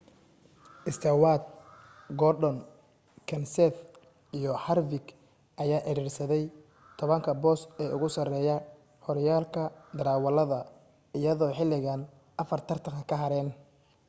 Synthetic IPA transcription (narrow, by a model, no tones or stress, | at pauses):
ʔɪst̪ʰɛwaːd̪̚ɡɔɖɔn | kʰɐnsɛːθ | ijɔħɐrvɪɡ | ʔɐjaːʔɛɾiːrsɐðɛj | t̪ʰɔβɐŋkʰɐbɔːsɛːʔʊ̰ɣʊsɐrɛːjɐ | hɔɾɐjaːlkʰɐd̪ɐɾaːwɐlɐðɐ | ɪjɐðɔːħɪlːɪɣan | ʔɐfɐrt̪ʰɐrt̪ʰɐŋkʰɐkʰɐɦɐɾɛːn